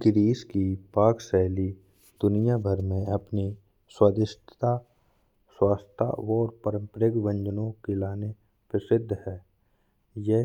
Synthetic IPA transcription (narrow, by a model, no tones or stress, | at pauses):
ɡɾiːskipaːksɛːli | d̪̥ʊnijabʱəɾmẽɐpni | swaːd̪ɪʃtʰt̪a | swaːst̪ʰa̰ɔːɾpəɾə̃mpɾəɡʋə̃ɲd͡ʒənõkelaːne | pɾəsɪd̪ʱːhɛː | jɛ